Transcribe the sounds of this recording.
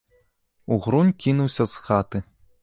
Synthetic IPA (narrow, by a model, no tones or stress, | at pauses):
uɣɾunʲkʲinuwsʲɐzxat̪ɨ